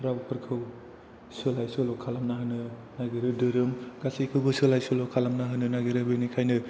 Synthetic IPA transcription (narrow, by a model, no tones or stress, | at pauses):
pʰɾabɯpʰɯɾkʰɯw | sɯlajsɯlɔkʰalamnaɦɯnɯnaɡeɾɯdɯɾɯmɡ̥asijkʰɯwbɯsɯlajsɯlɔkʰalamnaɦɯnɯnaɡeɾɯbɯnikʰajnɯ